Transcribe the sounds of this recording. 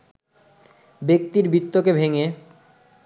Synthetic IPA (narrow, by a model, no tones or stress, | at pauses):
bek̚t̪iɾbit̪ːokebʱeŋe